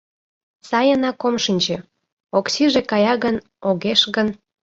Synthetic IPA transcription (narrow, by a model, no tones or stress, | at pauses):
sɑjənɑkomʃinʲt͡ɕĕ | oksiʒekɑjɑɣən | oɣeʃɣən